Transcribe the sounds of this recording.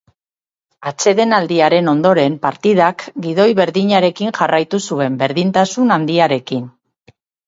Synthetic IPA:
at͡se̞ðe̞nald̪iaɾe̞no̞nd̪o̞ɾe̞mpaɾt̪iðakɡið̞o̞jβe̞ɾðiɲaɾe̞kiŋʝarajt̪usue̞mbe̞ɾðint̪asunand̪iaɾe̞kin

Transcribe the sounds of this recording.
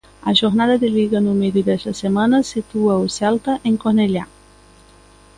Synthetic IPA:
aʒoɾnaðəd̪eliɣənumed̪id̪esəsemanəsit̪uausɛlt̪əʔeŋkonelja

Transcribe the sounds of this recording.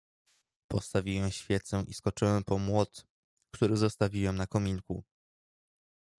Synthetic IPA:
pɔst̪avʲiwɛw̃ɕfʲjɛt̪sɛʔiskɔt͡ʂɘwɛmpɔmwɔt̪ | kt̪uɾɘzɔst̪avʲiwɛmnakɔmʲiŋku

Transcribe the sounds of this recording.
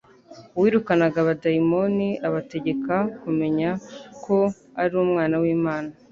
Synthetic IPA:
wiːɾukanaɡaβadaimo̞niaβate̞ɟe̞kakume̞ɲakʰo̞ | aɾuumŋaːnawiːmaːna

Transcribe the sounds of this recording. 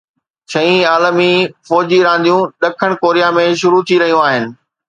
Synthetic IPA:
ʃɐĩaːləmifɔːd͡ʑiɾãːn̆d̪ʱijũɗɐkʰəɽ̃koːɾijamẽʃʊɾut̪ʰiɾɐɦijũaːɦɪnɪ̆

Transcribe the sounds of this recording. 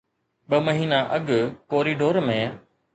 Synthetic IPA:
ɓəməɦiːnaːʔəɠkoːɾiːɖoːɾmẽː

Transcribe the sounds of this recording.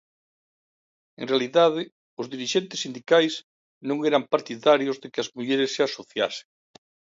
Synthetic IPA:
ḛŋrealiðaðɪ | ʊzðiɾiʃent̪ɪsind̪ikajs | nõŋeɾampaɾt̪iðaɾjozðekɪɐzmuʎeɾɪsːeasoθjase̥ŋ

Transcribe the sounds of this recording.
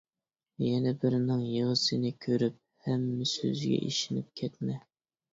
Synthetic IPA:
jɛnɛbɪɾnɪŋjɨʁəsɨnɨkʲʰøɾyp̚ | hɛmːɪsø̰zɡʲɛ̰ʔḭʃɪnɪ̰p̚kʲʰɛt̪mɛ

